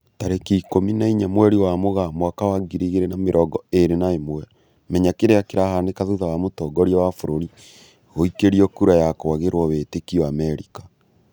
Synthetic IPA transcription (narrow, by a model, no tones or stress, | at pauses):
taɾekiːkominaiɲamwɛɾiwamoɣamwakawaɡiɾiɣeɾenameɾʔɔɡɔeɾenaemwɛ | mɛɲakeɾeakeɾahandekaðuðawamotɔːɡɔɾiɔwafoɾoɾi | ɣoikeɾiɔkuɾajakoaɣeɾwɔβetekiɔamɛɾikḁ